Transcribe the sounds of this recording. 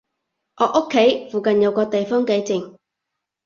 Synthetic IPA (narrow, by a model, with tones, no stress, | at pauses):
ʔɔː˨˥ʔʊ˥kʰːe˨˥jfuː˨˩kɐ˨njɐ˨˧wkɔː˧t̪e˨jfɔː˥ŋke˨˧jt͡sɪ˨˩ŋ